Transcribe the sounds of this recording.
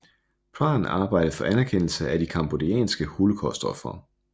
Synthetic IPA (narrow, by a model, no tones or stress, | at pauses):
pʰɑ̰̈ːn̩ɑ̈ːb̥ɑ̈ɪ̰d̥ɐfɒ̽ʔænæɐkʰenl̩səʔæd̥ikʰɑ̈mb̥o̝diɛ̰ːnsɡ̥əhulkʰɒsd̥ɒfɐ̰